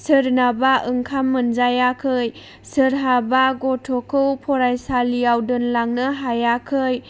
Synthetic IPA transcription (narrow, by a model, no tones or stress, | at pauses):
sɯɾnabaʔɯŋkʰamːɯnzajakʰɯj | sɯɾɦabaɡɔtʰɔkʰɯwpʰɔɾajsalijawdɯnlaŋnɯɦajakʰɯj